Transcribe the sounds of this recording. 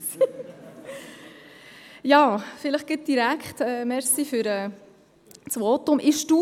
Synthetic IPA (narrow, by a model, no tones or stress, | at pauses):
jɑːfɪləχɡ̥ɪt̚d̥iɾækχtɛːmɛɾsifyɾɛː | t͡sʋɔtʊmʔɪʃd̥u